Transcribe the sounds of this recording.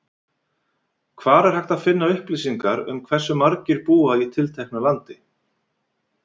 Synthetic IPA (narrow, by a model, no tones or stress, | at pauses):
kʰvaːɾɛɾ̥hajht̪aðfɪnːaʏhpliːsiŋkaɾʏ̰mkʰvɛr̥sːʏmaɾcɪɾpuːait̪ʰɪlt̪ʰɛjhk̚nalant̪ɪ